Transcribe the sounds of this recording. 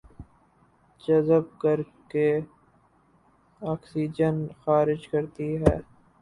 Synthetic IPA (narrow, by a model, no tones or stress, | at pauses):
d͡ʒɐzəb̚kɐɾke | aːksiːd͡ʒənxaːɾɪd͡ʒkɐɾt̪iɦɛː